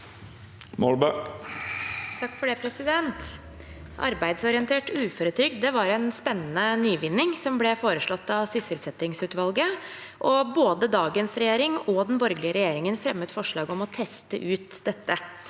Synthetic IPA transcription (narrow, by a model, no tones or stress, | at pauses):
mɔlbə | t̪ʰɑkːfɔɖeːpʰɾɛsɪd̪ɛnt̪ | ʔɑ̰ɾbæɪd̪sɔɾɪənt̪ʰeːʈʉːfɔːɾət̪ʰɾʏk̪d̪ɛʋɑɾænspɛnːənənyːʋɪnːɪŋsɔmblɛfoːɾəʂɭɔt̪ːɑʋsʏsɪlsɛt̪ːɪŋsʉːt̪ʋɑlɡə | ʔɔboːd̪əd̪ɑːɡənsɾɛjeːɾɪŋɔd̪ɛnbɔɾɡlɪəɾɛjeːɾɪŋənfɾɛmːət̪fɔʂɭɑːɡɔmɔt̪ʰɛst̪əʔʉːt̪d̪ɛt̪ːə